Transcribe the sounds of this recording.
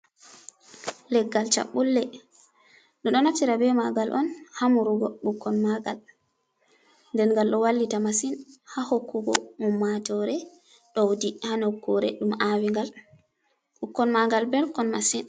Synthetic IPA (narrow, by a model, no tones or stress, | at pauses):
lɛɡːalt͡ʃa̰ɓːulːɛ | ɗɔɗɔnatiɾabɛmaɡalʔɔnhamuɾuɡɔɓukːɔnmaɡal | ndɛnŋɡalɗɔwalːitamasinhahokːuɡɔ̰mɔmːatɔɾɛ | ɗɔwdihanokːɔɾɛ̰ɗumʔawiŋɡal | ɓukːɔnmaɡalbɛlkɔnmasin